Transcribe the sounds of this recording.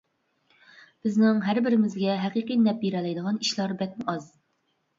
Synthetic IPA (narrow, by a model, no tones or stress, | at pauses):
b̥ɪznɪŋɦæɾbɪɾɪmɪzɡʲɛɦæqiqijnɛp̚biɾɛlɛjd̪əʁɑniʃlˠɑɾbɛk̚ʲmuʔɑz